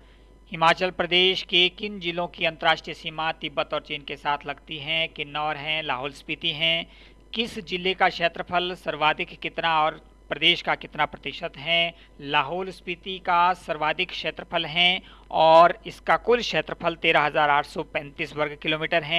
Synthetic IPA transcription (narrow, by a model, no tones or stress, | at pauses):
hɪmaːt͡ʃəlpɾɐd̪eːʃkekɪnd͡ʒɪlõkiɐ̃nt̪əɾaːʃʈɾjəsiːmat̪ɪbːət̪ɔːɾt͡ʃeːnkesaːt̪ʰlɐɡt̪iɦɛ̃kɪnːɔːɾɦɛ̃laːɦoːlspit̪iɦɛ̃ | kɪsd͡ʒɪlːekakʃeːt̪ɾəpʰəlsɐɾʋaːd̪ʱɪkːɪt̪naɔːɾ | pɾɐd̪eːʃkakɪt̪napɾɐt̪ɪʃət̪ɦɛ | laːɦoːlspɪt̪ikasɐɾʋaːd̪ʱɪkkʃeːt̪ɾəpʰəlɦɛ | ɔːɾɪskakʊlkʃeːt̪ɾəpʰəlt̪eːɾaɦɐzaːɾaːʈʰsɔpɛ̃ːnt̪iːswɐɾɡkɪloːmiːʈəɾɦɛ̃ː